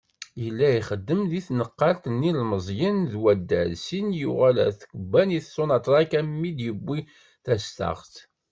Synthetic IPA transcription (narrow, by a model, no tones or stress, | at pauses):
jəlːæiχəd̪ːəmðiθnəqːɑlt̪ənːilməzˤjənðwæd̪ːæ̰lsinjuʁælæ̰θkəbːæniθsonɑt̪ˤɾˤɑkæmːid̪jəbːi | θæst̪ɑ̰ʁθ